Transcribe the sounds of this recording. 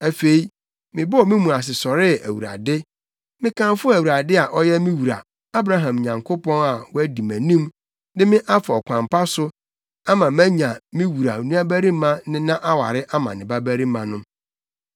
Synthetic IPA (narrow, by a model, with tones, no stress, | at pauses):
æ˨fe˨i˦ | mɪ̃˨bɔ˦ɔ˨mɪ̃˦mũ˨a˨s̬ɪ˨sɔ˨ɾɪ˦æ˨wṵ˨ɾa̰˨dɪ˦ | mɪ̃˦kʰã˦mfʊ˦æ˨wu˨ɾa˨dɪ˦a˨ʔɔ˦jɛ˦mɪ̃˦wu˨ɾa̰˨ | a˦bɾa˦ɦã˨m˨ɲã˨ŋkʰo˦pɔ̃˦na˨wɔ˦æ˦di˨mæ̃˨nĩ˦m | nɪ˦mɪ̃˦ʔa˦fa˨ɔ˨kʷʰã˨mpʰa˦sʊ˦ | a˦mã˨mæ̃˦ɲã˨mɪ̃˦wu˨ɾa̰˨nũ˦æ˦bæ˦ɾi˦mã˦nɪ̃˦nã˦ʔa˦wa̰˨ɾɪ˦ʔa˦mã̰˨nɪ̃˨ba˦bæ˦ɾi˦mã˨nʊ̃˦